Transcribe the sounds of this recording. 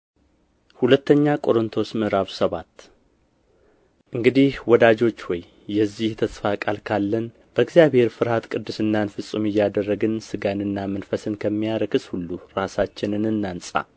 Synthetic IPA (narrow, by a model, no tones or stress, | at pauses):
hulət̪ːəɲːakʼo̞ɾɨnt̪ʰo̞smɨɾaβsəβat̪ː | ʔɨŋɡɨd̪ihwɔd̪ad͡ʒo̞t͡ʃːwɔjː | ɛzːiht̪ʰəsfakʼalkʰalːən | b̥əɨɡzjaβhe̞ɾfɨɾhat̪kʼɨd̪ːɨsɨnːanfɨsʼumɪjːad̪ərːəɡɨnsɨɡanɨnːamənfəsɨnkʰəmːijaɾəkɨshulːuɾasat͡ʃːɪnɨnɨnːansʼa̰